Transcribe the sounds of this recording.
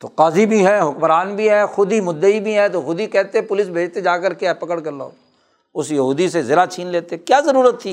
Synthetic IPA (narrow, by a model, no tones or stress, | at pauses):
t̪o̰ːqaːzibʱiɦɛɦʊkmɾaːnbʱiɦɛxʊd̪imʊd̪ːəibʱiɦɛt̪oxʊd̪ikɛːt̪eɦɛ̃pʊlɪsbʱeːd͡ʒt̪ed͡ʒaːkəɾkeɛpɐkəɽkəɾlo̰ː | ʊsjəɦuːd̪isezɪɾat͡ʃʰiːnleːt̪eɦɛkjaːzəɾuːɾət̪ʰːi